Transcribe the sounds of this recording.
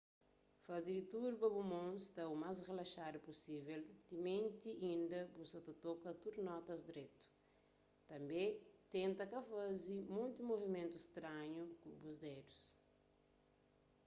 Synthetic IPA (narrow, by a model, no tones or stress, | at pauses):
fɐziɾit̪uɾbɐbumõnst̪ɐumas̬relɐʃad̪upusivelt̪imẽnt̪iʔĩnd̪ɐbusɐt̪ɐt̪okɐt̪uɾnɔt̪ɐzd̪ɾet̪u̥ | t̪ɐ̃mbẽt̪ẽnt̪ɐkɐfazimõnt̪imovimẽnt̪ust̪ɾaɲukubuzd̪ed̪us